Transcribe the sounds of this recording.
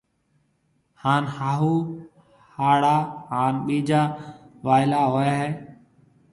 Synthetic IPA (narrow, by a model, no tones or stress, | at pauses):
haːnhaːɦuː | haːɽaːɦaːnɓiːd͡ʒaːʋaːɪlaːɦoːjaːɦeː